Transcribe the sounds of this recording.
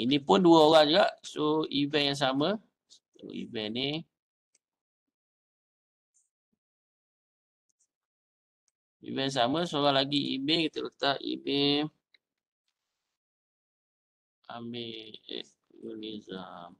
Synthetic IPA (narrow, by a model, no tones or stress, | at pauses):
inipʊnduaoɣaŋd͡ʒuɡaʔsoivɛnjaŋs̬amə | o̰ḭvɛni | ḭvɛjs̬aməsoɣaŋlaɡiḭmekit̪ələt̪aʔḭme | ameɛ̰ | unezəm